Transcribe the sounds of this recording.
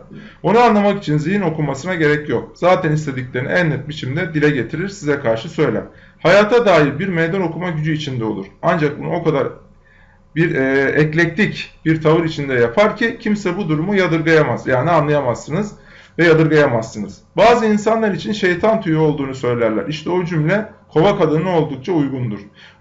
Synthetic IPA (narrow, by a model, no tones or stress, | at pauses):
onuanlˠamaki̥t͡ʃʰinzihino̞kʰumasɯnaɟe̞ɾɛcjo̞k̚z̥aːt̪ʰɛnist̪ʰe̞d̪iclʲeɾiniænːyp̪̚bit͡ʃʰimd̪ɛd̪ilʲɛɟe̞t̪ʰiɾiɾsizɛkʰaɾʃɯsø̞jlʲæ̰ɾ̥ | hajaːt̪ʰad̪aːilʲbiɾmejd̪ano̞kʰumaɟyd͡ʒyit͡ʃʰind̪ɛo̞lˠṵɾ̥and͡ʒak̚buno̞kʰad̪aɾ | biɾɛːɛclʲɛc̚t̪ʲicb̥iɾt̪ʰavɯɾit͡ʃʰind̪ɛjapʰaɾcʰicʰimsɛbud̪uɾumujad̪ɯɾɡajamazjaːnianlˠajamasːɯnɯz | vɛjad̪ɯɾɡajamasːɯnɯz̥baːzɯinsanlˠaɾit͡ʃʰinʃe̞jt̪ʰant̪ʰujuo̞lˠd̪uːnusø̞jlʲæɾlʲæ̰ɾiʃt̪ʰɛo̞d͡ʒymlʲɛkʰo̞vakad̪ɯnɯo̞lˠd̪uk̚t͡ʃʰaujɡund̪uɾ̥